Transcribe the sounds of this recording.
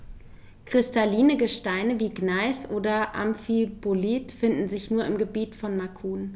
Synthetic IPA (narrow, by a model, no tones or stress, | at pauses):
kʁ̥ɪstaliːnəɡəʃtaɪnəviːɡnaɪsʔoːdɐʔa̰mfipoliːtfɪndn̩zɪçnuːɐɪmɡəbiːtfɔnmakʰuːn